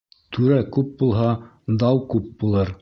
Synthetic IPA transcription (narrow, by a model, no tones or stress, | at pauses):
t̪ʰʉɾækʉp̚bulˠɦɑ | d̪ɑwkʉp̚bulˠɤɾ